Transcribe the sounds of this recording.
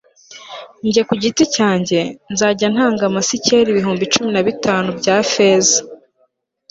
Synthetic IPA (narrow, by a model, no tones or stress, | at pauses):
ɲɟekuɟiticaːɲɟe̞nzaːɟan̥haːŋɡamasiceɾiβiɦuːmbit͡ʃuminaβitaːnubɟaːfeːza